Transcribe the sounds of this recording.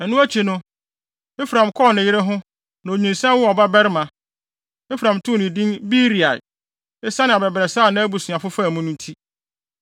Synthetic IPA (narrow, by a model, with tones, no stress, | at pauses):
ɛ˨nʊ̃˦æ˦t͡ɕʰi˨nʊ̃˦ | e˦fɾã˨mkʰɔː˦˨nɪ̃˨jɪ˦ɾɛ˦ɦʊ̃˦ | nã˨o˨ɲĩ˨nsɛ̃˦wʊ˦ɔ˨ba˦bɛ˦ɾɪ˦mã˨ | e˦fɾã˨mtʰʊ̃˦nɪ̃˨dĩ˦bi˦ɾi˨a̰˨j | e˦sa˦nɪ̃˨a˨bɛ˨bɾɛ˨sa˦˨nã˦bu˨sũ˨ã˨fʊ˦fa˦˨mũ˦nʊ̃˦n˦tʰi˦